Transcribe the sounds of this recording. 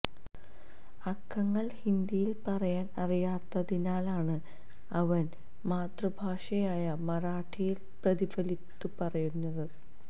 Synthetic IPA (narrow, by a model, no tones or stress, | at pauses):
ɐkʰːɐŋːɐɭhind̪ijilpɐrɐjaːnɐrijaːt̪ːɐðinaːlaːɳɨ | ɐʋɐn | maːt̪rɐbʱaːʂɐjaːjɐmɐɾaːʈʰijil | prɐðifɐlit̪ːupɐrɐjunːɐðɨ